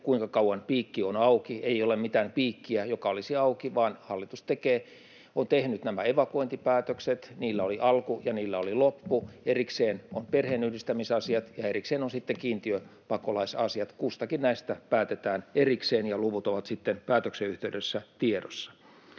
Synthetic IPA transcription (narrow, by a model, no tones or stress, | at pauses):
kuiŋkɑkɑuwɑnpiːkːionɑukieiolemmit̪æːnpiːkːiæjokɑolisiɑukiʋɑːnhɑlːit̪ust̪ekeː | ont̪ehnyt̪næmæeʋɑkuoint̪ipæːt̪økset̪niːlːæoliʔɑlkujɑniːlːæolilopːuerikseːnonperheːnyhdist̪æmisɑsiɑt̪jɑerikseːnonsit̪ːeŋkiːnt̪iøpɑkolɑisɑsiɑt̪kust̪ɑkinnæist̪æpæːt̪et̪æːnerikseːnjɑluʋut̪oʋɑt̪sit̪ːenpæːt̪økseyht̪eydøsːæt̪iedo̰sːɑ̥